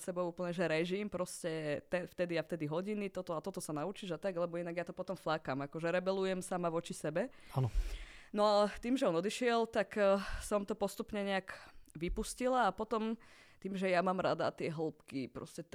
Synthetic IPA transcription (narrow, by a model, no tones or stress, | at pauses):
sɛbɔʊuːpl̩ɲɛʒɛɾɛʒimpɾɔscɛt̪ɛnft̪ɛd̪iaft̪ɛd̪iɦɔɟinit̪ɔt̪ɔat̪ɔt̪ɔsanaut͡ʃiʒat̪aɡlɛbɔjɛnaɡjat̪ɔpɔt̪ɔmflakamakɔʒɛɾɛbɛlujɛmsamaʋɔt͡ʃisɛbɛanɔnɔat̪iːmʒɛɔnɔd̪iʃɪɛlt̪aksɔmt̪ɔpɔst̪upɲɛɲɛakʋipuscilaːpɔt̪ɔm | t̪iːmʒɛjamaːmɾa̰d̪a̰t̪ɪɛɦl̩pkipɾɔ̰scɛ